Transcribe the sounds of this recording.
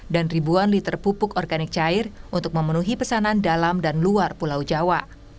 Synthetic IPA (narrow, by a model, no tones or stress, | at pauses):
danribuanlit̪ərpupʊkɔrɡanɪk̚t͡ʃaɪrʔunt̪ʊk̚məmənuɦipəsanandalamdanluarpulawd͡ʒawaʔ